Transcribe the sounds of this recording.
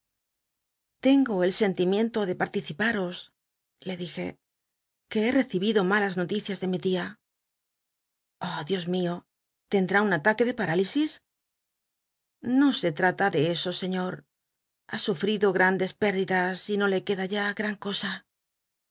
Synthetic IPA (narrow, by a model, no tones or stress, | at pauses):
t̪e̞ŋɡo̞e̞lse̞nt̪imjẽ̞nt̪o̞ðe̞paɾt̪iθipaɾo̞s | le̞ðixe̞̰ | ke̞ere̞θiβiðo̞malazno̞t̪iθjazðe̞mit̪ia | oðjo̞zmio̞ | t̪e̞nd̪ɾaunat̪ake̞ðe̞paɾalisis | no̞se̞t̪ɾat̪aðe̞esose̞ɲo̞ɾ | asufɾiðo̞ɣɾand̪e̞spe̞ɾðiðasino̞le̞ke̞ðaʝaɣɾaŋko̞sa